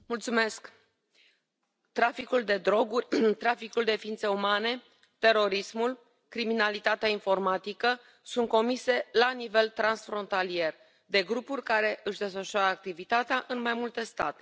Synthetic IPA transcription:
mult̪sume̞sk | t̪ɾafikuld̪e̞d̪ɾo̞ɡurʲt̪ɾafikuld̪e̞fiint̪se̞umane̞ | t̪e̞ɾo̞ɾismul | kɾiminalit̪at̪eainfo̞rmat̪ikə | sunt̪̚ko̞mise̞lanive̞lt̪ɾansfɾo̞nt̪alie̞r | d̪e̞ɡɾupurʲkaɾe̞ʔɨʃd̪e̞sfəʃuaɾəak̚t̪ivit̪at̪eaʔɨnmajmult̪e̞st̪a̰t̪e̥

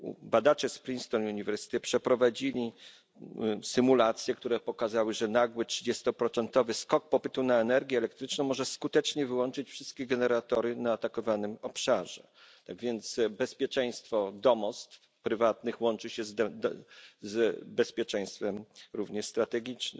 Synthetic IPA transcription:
bad̪at͡ʂɛspɾʲinst̪ɔnuɲivɛɾsɘ̥t̪ɛpʂɛpɾɔvad͡ʑilʲi | sɘmulat̪sʲjɛk̚t̪uɾɛpɔkazawɘʐɛnaɡwɘtʂɘ̥d͡ʑɛst̪ɔpɾɔt̪sɛnt̪ɔvɘskɔk̚pɔpɘt̪unaɛnɛɾɡʲjɛːlɛkt̪ɾɘt͡ʂnɔw̃mɔʐɛskut̪ɛt͡ʂɲɛvɘwɔnt͡ʂɘt͡ɕfʂɘst̪̚kʲeɡɛnɛɾat̪ɔɾɘnaːt̪akɔvanɘmɔpʂaʐɛ | t̪aɡvʲjɛnt̪sbɛspʲjɛt͡ʂɛj̃st̪fɔd̪ɔmɔst̪ | pɾɘvat̪nɘxwɔnt͡ʂɘɕɛzd̪ɛ | zbɛspʲjɛt͡ʂɛ̃j̃st̪fɛmɾuvɲɛʂst̪ɾat̪ɛɡʲit͡ʂnɘm

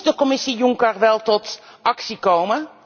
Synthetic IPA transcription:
dəkɔmɪsijuŋkərʋɛlˠtɔtɑksikowmə

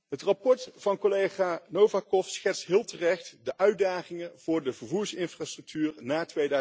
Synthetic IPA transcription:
ɦətrapɔɹtfɑnkolejχaːnowvakɔfsχɛtstɦɪːlˠtərɛχtdəʔœɥdaːχɪŋənv̥ʊːɹdəvəɹvuːɹsɪnfraːstrɵk̚tʰyːrnaːtʋejdœ

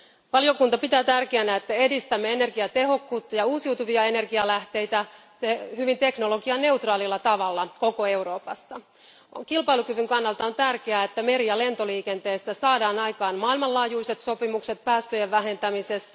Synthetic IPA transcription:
ʋɑlijo̞kunt̪ɑpit̪æːt̪ærkeænæet̪ːæe̞dist̪æmːeene̞rɡiɑt̪e̞ɦo̞kːuːt̪ːɑjɑuːsiut̪uʋiɑe̞ne̞rɡiɑlæht̪e̞jt̪æ | ehyʋint̪e̞knolo̞ɡiɑne̞uwt̪rɑːlilːɑt̪ɑʋɑlːɑko̞ko̞e̞wɾo̞ːpɑsːɑ | kilpɑilukyʋyŋkɑnːɑlt̪ɑo̞nt̪ærkeæet̪ːæme̞ɾijɑle̞nt̪o̞liːke̞nt̪e̞ːst̪æsɑːdɑːnɑjkɑːnmɑːilmɑllɑːjuise̞t̪so̞pimukse̞t̪̚pæːst̪øjeʋʋæɦe̞nt̪æmise̞s

